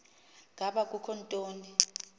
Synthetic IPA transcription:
ŋʱaɓak̬ʼukʰɔntʼoːni

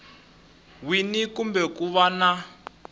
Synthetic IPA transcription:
winikumbɛkuβana

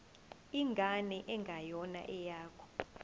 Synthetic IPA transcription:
iŋɡʱanɛʔɛŋɡʱajɔna̰ʔɛjaːkʰɔ̥

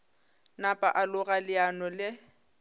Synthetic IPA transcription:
napʼaʔalʊɣalɪanɔlɪ

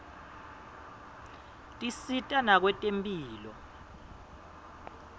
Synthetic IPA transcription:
tʼisitʼanak̬wɛtʼempʼiːlɔ̰

